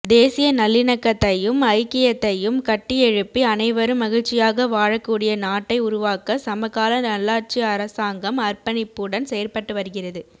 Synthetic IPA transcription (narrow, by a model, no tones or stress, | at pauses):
d̪eːsɪjɐnɐlːɪnɐkːɐt̪ːɐjɯmɐɪkːɪjɐt̪ːɐjɯmkɐʈːɪɛɻɯpːiɐnɐɪʋɐɾɯmːɐɣɪɻt͡ʃːɪjaːɣɐʋaːɻɐkːuːɽɪjɐnaːʈːɐɪʊɾʊʋaːkɐsɐmɐɣaːlɐnɐlːaːɾt͡ʃiɐɾɐsaːŋɡɐmɐrpɐnɪpːɯɽɐnsɛjɐɾpɐʈːɯʋɐɾɯɣɪrɐðɯ